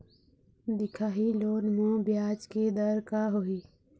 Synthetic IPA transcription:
d̪ɪkʰaːɦiloːɽmõːbjaːd͡ʒked̪əɾkaɦoiː

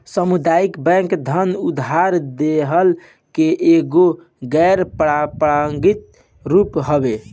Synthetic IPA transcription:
səmud̪aikbɛ̃ŋkd̪ʱənud̪ɦaɾd̪eɦəl | keʔeɡo | ɡɛɾpɾapɾaŋɡit̪̚ | ɾupɦəbe

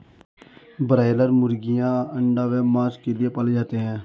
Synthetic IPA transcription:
bəɾaːɪləɾmʊɾɡɪjãːəɳɖaːʋɛːmaːskelɪepəled͡ʒaːt̪eːɦɛ̃ː

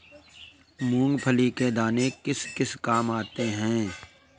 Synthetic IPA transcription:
mũːŋɡpʰəliked̪aːnekɪskɪskaːmaːt̪eɦɛ̃ː

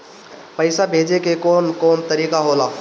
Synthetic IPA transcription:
pəɪsabʱeːd͡ʒekekɔːnkɔːnt̪əɾiːkaɦola

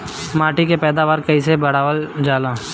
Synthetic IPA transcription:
maːʈikepɛːd̪aːʋaːɾkɐisebɐɽ̤aːʋəld͡ʒaːlaː

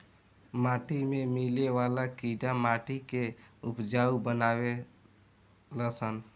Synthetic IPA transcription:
maːʈʰimẽmileʋaːlakiːɖamaːʈʰikeʊpd͡ʒaːubənaːwe | ləsən

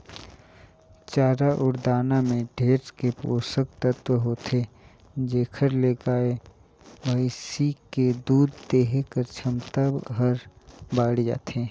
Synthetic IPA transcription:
t͡ʃaːɾaʔʊɾd̪aːnamẽɖʱeːɾskepo̰ːsək̚t̪ət̪wəɦoːt̪ʰe | d͡ʒeːkʰəɾleːkaːe | baːɪsiked̪uːd̪t̪eːɦekəɾt͡ʃʰəmt̪abɦəɾbaːɽd͡ʒa̰ːt̪ʰẽː

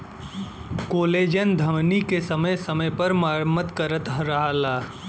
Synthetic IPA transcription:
koːleːd͡ʒənd̪ʱɐmnikesɐməjsɐməjpɐɾmaːɾmət̪kɐɾət̪ɾɐɦalaː

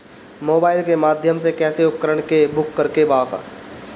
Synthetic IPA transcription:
moːbaːɪlkemaːd̪ʱjəmsekɛːseʊpkəɾəɽ̃kebʊkːəɾkebaːka̰

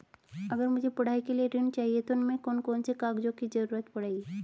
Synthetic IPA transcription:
əɡəɾmʊd͡ʒʱepɐɽ̤aikelieɾɪɳt͡ʃaːɦiet̪oʊnmẽkoːnkɔːnsekaɡd͡ʒõkid͡ʒəɾuːɾət̪pɐɽ̤ai

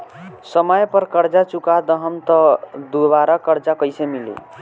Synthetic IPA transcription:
səməjpəɾkəɾd͡ʒat͡ʃukad̪əɦəmt̪ɔd̪obaɾakəɾd͡ʒakəjsemilḭ

